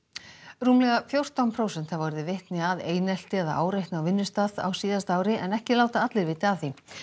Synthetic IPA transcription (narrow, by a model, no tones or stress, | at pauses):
ruːmlɛɣafjowr̥t̪awnpʰɾoːwsɛnt̪havɔɾðɪvɪht̪nɪaðeːjnɛl̥t̪ɪɛða̰ʔa̰ːwɾejht̪nawvɪnːʏst̪aːða̰wsiːðast̪aːwɾɪʔɛnɛhcɪlaːwt̪aat̪lɪɾvɪːt̪ɪaθi